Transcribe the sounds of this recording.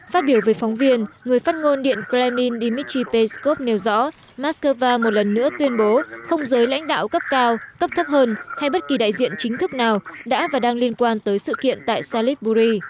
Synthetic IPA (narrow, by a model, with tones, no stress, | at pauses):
faː˦˥t̚ɓi˧˩əwvəː˨˦jfɔ˨˦wŋ͡mvi˧ənŋɨ˨˩əjfaː˦˥t̚ŋo˧nɗḭ˧˨ənklɛ˧mi˧nɗi˧mi˦˥t͡ɕi˧pe˧sko˦˥p̚ne˨˩wzɔ̰˧˥ | maː˦˥skəː˧vaː˧mo˨˩t̚lə˨˩nːɨ̰˧˥ət̪wi˧ənɓo˨˦xə˧wŋ͡mzəː˨˦jla̰˧˥jŋ̟ɗa̰ː˧˨wkə˦˥p̚kaː˧wkə˦˥p̚t̪ʰə˦˥p̚həː˧nha˧jɓə˦˥t̚ki˨˩ɗa̰ː˧˨jzḭ˧˨ənt͡ɕï˨˦ŋ̟t̪ʰɨ˦˥k̚naː˨˩wɗa̰ː˧˥vaː˨˩ɗaː˧ŋli˧ənkwaː˧nt̪əː˨˦jsɨ̰˧˨kḭ˧˨ənt̪a̰ː˧˨jsaː˧li˦˥t̚ɓu˧zi˧